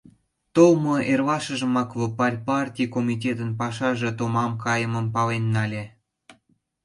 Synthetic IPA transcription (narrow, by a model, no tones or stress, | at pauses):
t̪olmoʔerβɑʃəʒə̆mɑkvopɑlʲpɑrtʲijkomʲit̬ʲet̪ənpɑʃɑʒĕt̪omɑmkɑjəməmpɑlenːɑlʲe